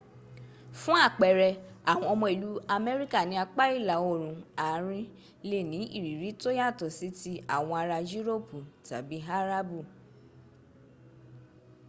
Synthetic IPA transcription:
fũ˦a˦˨k͡pɛ˨ɾɛ˧a˨w̃ɔ̃˧ɔ˧mɔ̃˧i˨lu˨˦a˧mɛ˦ɾi˦ka˦˨nĩ˨˧a˧k͡pa˦i˦˨la˨o˦˨ɾ̃ũ˨˧a˨˦ɾ̃ĩ˧ | le˦˨nĩ˨˦ḭ˦˨ɾi˨ɾi˨˦to˦ja˦˨tɔ˨si˨˦ti˧a̰˨w̃ɔ̃˧a˧ɾa˧d͡ʒi˦ɾo˦˨pu˨ta̰˨bi˨˦ɦa˦ɾa˦bu˦˨

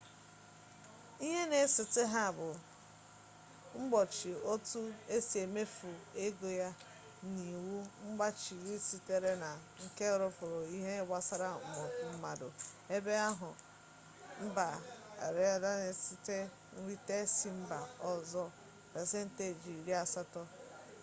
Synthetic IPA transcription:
i˦ɦe˦ne˨˦sɪ˨tɪ˦ɦa˦˨bʊ˨ | ŋ͡m̩˦ɡ͡bɔ˨t͡ʃi˨o˦tu˦e˦si˨e˨me˦fu˨e˦ɡo˨ja˦ | ni˨wu˦ŋ͡m̩˦ɡ͡ba˦t͡ʃi˨ɾi˦si˦te˦ɾe˦na˨ | ŋ̩˦ke˦˨ɾʊ˦fʊ˨ɾo˨i˦ɦe˦wa˦sa˦ɾa˦˨mʊ˨˦m̩˦ma˨dʊ˨e˦be˦a˦ɦʊ˨ | m̩˦ba˨a̰˨ɾe˦˨da˦ne˨si˦te˦ | n̩˦ɾi˦te˦si˦m̩˦ba˨ɔ˦zɔ˦ | pe˨se˦n̩˦te˨d͡ʒi˨ɾi˦a˦sa˦tɔ˦

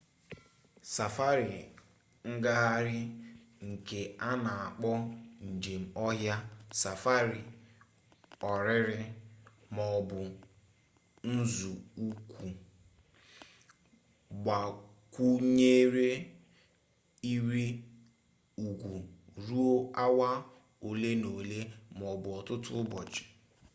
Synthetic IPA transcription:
sa˨fa˦ɾi˨ | ŋ̩˦ɡa˦ɦa˦ɾɪ˦ | ŋ̩˨ke˨a˦na˨a˨k͡pɔ˦n̩˨d͡ʒe˨m̩˨ɔ˦ɦja˦sa˨fa˦ɾi˨ | ɔ˨ɾɪ˦ɾɪ˦mɔ˨bʊ˨ | n̩˦zu˨u˦kʷu˨ | ɡ͡ba˨ | kʷu˦ɲe˦ɾe˦ | i˦ɾi˦ | u˨ɡʷu˨ɾu˦o˦a˦wa˦ | o˨le˦no˨le˦m˨ɔ˨bʊ˨ɔ˨tʊ˦tʊ˦bɔ˨t͡ʃɪ̥˨

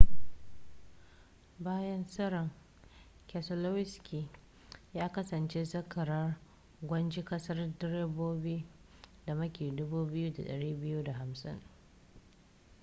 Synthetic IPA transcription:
baː˦jɐ˦nsɐ˦ɾɐ˨ŋ | kɛ˨sɐ˨lo˦wɪ˦skʲʰi˨ | jaː˦kɐ˦sɐ˨nt͡ʃe˦zɐ˦kʰɐ˨ɾɐ˦r | ɡʷɐ˦nd͡ʒi˦kɐ˦sɐ˦rdɪ˦ɾeː˦boː˦biː˦d̥a˨mɐ˦kʲeː˨dʊ˦buː˦bɪ˦ju˦da̰˨ɗɐ˨ɽiː˦bɪ˦ju˦da˨ɦa˨msɪ̰˦ŋ

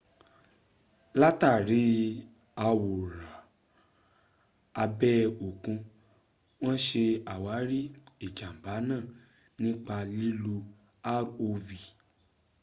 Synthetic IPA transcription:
la˦ta˦˨ɾi˨˦ | a˧wo˨ɾa˨ | a˧bɛ˦o˨kũ˧ | w̃ɔ̃˦ʃe˧a˨wa˨˦ɾi˦i˦˨d͡ʒa˨m̩˨ba˨˦nãː˦˨ | nĩ˦k͡pa˧li˦lu˧ | a˦o˧vi˨

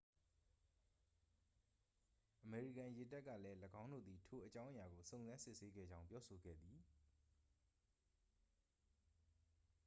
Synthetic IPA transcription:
ʔəme˨ɹḭ˦˨kã˨je˨ta˦ʔkːä̰˦˨lɛ˦ləɡã˦ʊ̃ndo̰˦˨d̪i˨tʰo˨ʔət͡ɕã˦ʊ̃ʔə˨ja˨ɡo˨sõ˨ʊ̃nzã˦nsɪ˦ʔse˦ɡɛ̰˦˨d͡ʑã˦ʊ̃mpjɔ˦so˨ɡɛ̰˦˨d̪ði˨

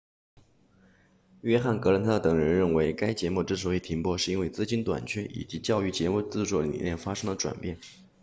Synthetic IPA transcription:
ɥɛ˥xa˥˩nkɤ˧˥lə˧˥nt̪ʰa˥d̪ə˧t̪ɤ˨˩ŋɻə˧˥nɻə˥˩nwe˧˥ɪka˥ɪt͡ɕjɛ˧˥mu˥˧˩ʈ͡ʂɤ˥˩ʂ̬̩˥e˧˩t̪ʰi˧˥ŋpwɔ˥ʂɻ̩˥˧i˥nwe˥˩ɪt͡sɹ̩˥˧t͡ɕi˥nt̪wa̰˨˩nt͡ɕʰɥɛ˥ʔḭ˨˩t͡ɕi˧˥t͡ɕjɑ˥˧ʊy˥˩t͡ɕjɛ˧˥mu˥˩t͡sɹ̩˥˧ʈ͡ʂwɔ˥˩lḭ˨˩nljɛ˥˩nfa˥ʂɤ˥ŋd̪ə˨ʈ͡ʂwa̰˨˩npjɛ˥˩n

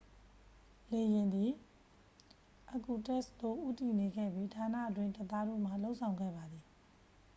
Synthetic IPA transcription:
le˨jɪ̃˨nd̪i˨ | ʔə˨ku˨tɛ˦˨st̪o˦˨ʔṵ˦˨ti˨ne˨ɡɛ̰˦˨bji˦tʰa˨nä̰˦˨ʔətwɪ̃˦˨ntə˨t̪a˦dṵ˦˨m̥a˨lo˦ʔsʰã˨ʊ̃ŋɡɛ̰˦˨ba˨d̪ði˨

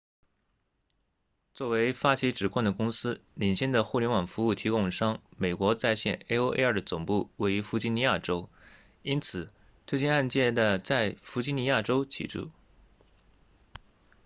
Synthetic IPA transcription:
t͡swɔ˥˩we˧˥ɪfa˥t͡ɕʰi˧˥ʈ͡ʂɻ̩˨˩kʰwa˥˩ŋd̪ə˩kʊ˥ŋsɹ̩˥li˨˩nɕjɛ˥˩nd̪ə˨xu˥˩ljɛ˧˥nwɑ˨˩ŋfu˧˥u˥˩t̪ʰi˧˥kʊ˥˩ŋʂɑ˥ŋme˨˩ɪkwɔ˧˥t͡sa˥˧ɪɕjɛ̰˥˩˧ne˥ɪo˥ʊʔḛ˥ə˞˥˩d̪ə˩t͡sʊ˨˩ŋpu˥˩we˥˩ɪy˧˥fu˧˥t͡ɕi˥ni˧˥ja˥˩ʈ͡ʂo˥ʊ | i˥nt͡sʰɹ̩˨˩˦ | t̪ʰwe˥ɪt͡ɕi˥˧na˥˧nt͡ɕjɛ˥˩d̪ə˩t͡sa˥˩ɪfu˧˥t͡ɕi˥˩ni˧˥ja˥˩ʈ͡ʂo˥ʊt͡ɕʰḭ˨˩ʈ͡ʂṵ˥˩

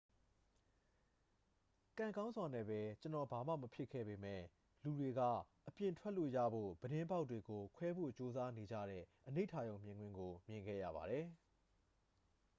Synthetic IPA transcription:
kã˨ŋɡã˦ʊ̃zwa˨nɛ̰˦˨bɛ˨t͡ɕənɔ˨ba˨ma̰˦˨məpʰjɪ˦˨kʰːɛ̰˦˨be˨mɛ̰˦˨ | lu˨de˨ɡä̰˦˨ʔəpjɪ̃˨ntʰwɛ˦ʔlo̰˦˨jä̰˦˨bo̰˦˨b̥əɾɪ̃˦mba˦ʊtːwe˨ɡo˨kʰwɛ˦bo̰˦˨t͡ɕo˦za˦ne˨d͡ʑä̰˦˨ɾɛ̰˦˨ʔəne˦ɪtʰa˦˨jõ˨ʊ̃mjɪ̃˨ŋɡwɪ̃˦ŋɡo˨mjɪ̃˨ŋɡɛ̰˦˨ja̰˦˨ba̰˨ɾɛ˨

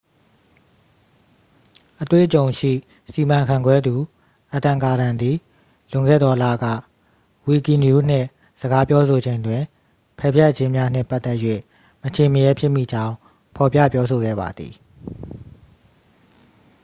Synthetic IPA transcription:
ʔətwḛ˦˨ʔət͡ɕõ˨ʊ̃ʃḭ˦˨ | si˨mã˨ŋkʰã˨ŋɡwɛ˦d̪u˨ | ʔət̪ã˨ŋka˨ɾã˨nd̪i˨ | lʊ̃˨ŋɡɛ̰˦˨d̪ɔ˨lä̰˦˨ɡä̰˦˨ | wi˨ki˨nju˦n̥ɪ̰̃˦˨ | z̥əɡa˦pjɔ˦sʰo˨d͡ʑẽ˨ɪ̃ndwɪ̃˨ | pʰɛ˦˨bjɛ˦ʔt͡ɕɪ̃˦mja˦n̥ɪ̰̃˦˨mpa˦t̪ːɛ˦ʔjɥḛ˦˨ | mət͡ɕʰẽ˨məjɛ˦pʰjɪ˦ʔmḭ˦˨d͡ʑã˦ʊ̃ | pʰɔ˨pjä̰˦˨pjɔ˦so˨ɡɛ̰˦˨ba̰˨d̪ḭ˨

